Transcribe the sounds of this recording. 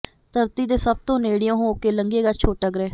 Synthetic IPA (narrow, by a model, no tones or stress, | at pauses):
t̪əɾt̪iːd̪eːsəb̚t̪õːneːɽɪjõːɦoːkeːləŋɡeːɡat͡ʃʰoːʈːəɡɾɛː